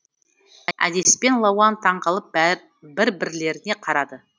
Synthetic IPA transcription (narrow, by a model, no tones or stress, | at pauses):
æ̰d̪e̞spe̞nlˠɑwɑnt̪ʰɑɴʁɑlˠəp̚ | bɪɾbɪɾle̞ɾɪne̞qʰɑɾɑd̪ə